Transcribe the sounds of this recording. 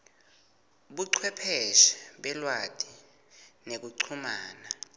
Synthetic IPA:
ɓuǀʰwɛpʰɛʃɛ̥ɓɛlwad̥ʱi | nek̬uǀʰumaːna

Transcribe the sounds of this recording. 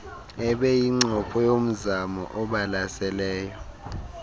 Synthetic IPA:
ɛɓɛjiŋ͡ǀʱɔpʰɔjom̩zamɔ̰ʔɔɓalasɛlɛːjɔ

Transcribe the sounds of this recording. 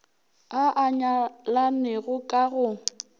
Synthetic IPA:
aʔaɲalanɪɣʊkʼaɣʊ

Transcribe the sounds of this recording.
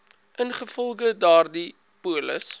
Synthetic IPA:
ʔənχəfɔlˠχədɑːrdi | puələ̰s

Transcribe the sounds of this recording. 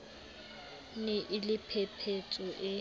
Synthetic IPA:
nɪʔɪlɪpʰɛpʰet͡sʼɔʔɪ

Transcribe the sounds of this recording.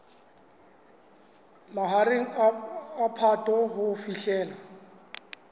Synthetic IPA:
maɦarɪŋ̩ː | pʰatʼɔɦʊfiɬɛːla

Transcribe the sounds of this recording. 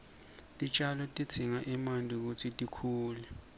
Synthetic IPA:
tʼit͡ʃʼalɔtʼi̥t͡sʰiŋaʔɛmandʱʼuk̬utʰitʼikʰuːlɛ

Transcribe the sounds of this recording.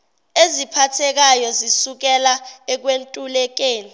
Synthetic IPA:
ezipʰatʰɛk̬ajɔzisuk̬ɛlaɛk̬wentʼulɛk̬eːni

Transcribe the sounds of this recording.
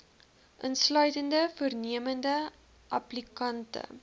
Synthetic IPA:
ʔənslœɥtəndəfuərniəməndə | ʔɐplikɐntə̰

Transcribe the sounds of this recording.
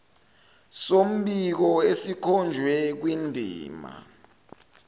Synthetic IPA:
som̩ɓik̬ɔesikʰɔnd͡ʒʱwɛk̬windʱḭːma̰

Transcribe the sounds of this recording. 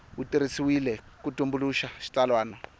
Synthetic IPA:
wutiɾisiwilɛkutʼumbuluʃaʃi̥t͡ɬʼalwaːnɔ

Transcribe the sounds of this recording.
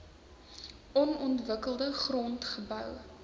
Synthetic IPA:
ʔɔnɔntvəkəlˠdəχrɔntχəbœw

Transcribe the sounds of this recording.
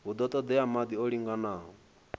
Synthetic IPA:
ud̪ɔt̪ʼɔd̪ɛamad̪iɔliŋɡanaːɦɔ

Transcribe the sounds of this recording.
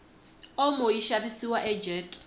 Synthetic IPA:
ɔmɔjiʃabisiwaʔɛd͡ʒɛtʼ

